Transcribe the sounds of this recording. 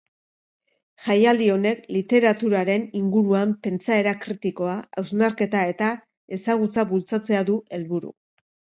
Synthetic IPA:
ʝajald̪io̞ne̞klit̪e̞ɾat̪uɾaɾe̞niŋɡuɾuampe̞nt͡sae̞ɾakɾit̪iko̞aawznaɾke̞t̪ae̞t̪a | e̞saɣ̞ut͡saβult͡sat͡se̞aðue̞lβuɾṵ

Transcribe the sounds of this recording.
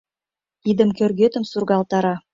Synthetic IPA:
id̪ə̆mkʲørɣet̪ə̆msurɣɑlt̪ɑɾɑ

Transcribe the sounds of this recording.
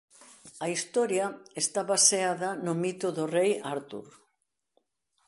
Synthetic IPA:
ɐist̪ɔɾjɐest̪aβaseaðɐnʊmit̪ʊðʊrejaɾt̪ṵɾ

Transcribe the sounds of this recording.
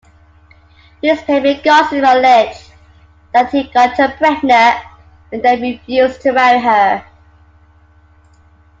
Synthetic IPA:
hiz̥pʰeɪmɪɡɔˑsnɔlɪd͡ʒ | ðəthiɡɔtəbɹɛɡnə | ə̃nðeɪɹɪfjʉːztʰəɹaʊɦə

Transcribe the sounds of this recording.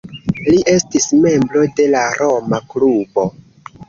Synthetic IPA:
liʔe̞stisme̞mbɾo̞de̞laɾo̞maklubo̞

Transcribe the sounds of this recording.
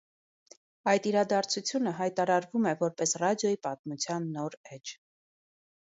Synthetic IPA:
ɑjt̪iɾɑd̪ɑɾt͡sʰut͡sʰjunəɦɑjt̪ɑɾɑɾvumɛvɔɾpɛsrɑd̪jɔjipɑt̪̚mut͡sʰjɑnːɔɾɛd͡ʒ

